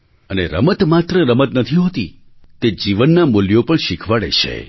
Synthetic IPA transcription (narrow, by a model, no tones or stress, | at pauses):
ənḛɾə̰mət̪mat̪ɾəɾəmət̪nət̪ʰiɦot̪i | t̪ed͡ʒiʋənːamuljopəɳʃikʰʋaɭḛt͡ʃʰḛ